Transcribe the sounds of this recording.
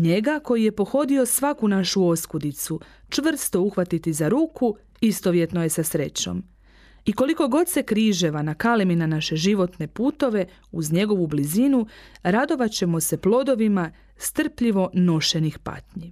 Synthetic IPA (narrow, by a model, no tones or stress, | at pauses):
ɲe̞ɡako̞jije̞po̞xo̞d̪io̞sʋakunaʃuo̞skud̪it̪su | t͡ʃʋr̩st̪o̞uxʋat̪it̪izaɾuːku | ist̪oʋje̞t̪noje̞sasɾe̞t͡ɕo̞̰m | iko̞liko̞ɡo̞d̪se̞kɾiːʒe̞ʋanakaleminanaʃe̞ʒiʋo̞t̪ne̞puːt̪o̞ʋe̞ | uzɲe̞ɡo̞ʋublizinuɾad̪o̞ʋat͡ɕe̞mo̞se̞plo̞d̪oʋima | st̪r̩pʎiʋo̞no̞ʃe̞nixpa̰t̪ɲi